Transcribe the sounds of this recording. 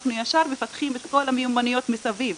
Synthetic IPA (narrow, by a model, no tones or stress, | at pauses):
χnujaʃaʁme̞fat̪χimet̪ko̞lamejumanijo̞t̪mesaviv